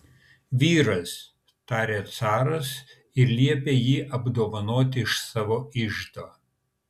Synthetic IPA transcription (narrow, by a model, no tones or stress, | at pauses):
ʋʲiːɾɐs | t̪ɑːɾʲeːt̪sɑːɾɐs | ɪɾlʲiɛpʲeːjiːʔɐbd̪oːʋɐnoːt̪ʲɪɪʃsɑːʋoːɪʒd̪oː